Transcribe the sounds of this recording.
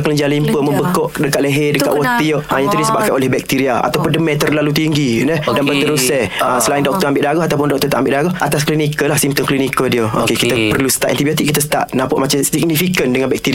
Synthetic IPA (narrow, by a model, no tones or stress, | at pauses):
kələɲd͡ʒalimpəməmbəkɔʔdəkaʔləɦɛdəkkaʔwot̪ioʔʔəjat̪udisəbap̚kanolɛhbɛk̚t̪iɾiaa̰t̪awpʊndəmɛ̃t̪ərlalut̪iŋɡinədanbət̪əɾusəəsəlaɪ̃ndɔk̚t̪ɔambɪʔdaɡɔɦat̪awpʊndɔʔk̚t̪ɔt̪aʔambɪʔdaɡɔhʔat̪asklinikəlahsimt̪əmklinikədiəo̰kekit̪əpərlusə̥t̪aʔɛ̰nt̪ibiot̪iʔkːit̪əsə̥t̪a̰ʔnapɔʔmat͡ʃamsiɡ̚nifikəndəŋanbɛk̚t̪iɾi